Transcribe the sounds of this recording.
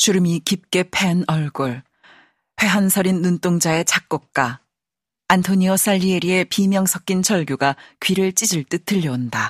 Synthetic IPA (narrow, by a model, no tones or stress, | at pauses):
t͡ɕuɾɯmikip̚k͈e̞pʰe̞nʌɭɡoɭ | pʰe̞ɦansʰʌɾinːunt͈oŋd͡ʑae̞t͡ɕak̚k͈ok̚k͈a | antʰoɲiʌs͈aʎːieɾie̞pimjʌŋsʰʌk͈int͡ɕʰʌɭɡjuɡakɥiɾɯɭt͡ɕ͈id͡ʑiɭt͈ɯtʰɯʎːʌonda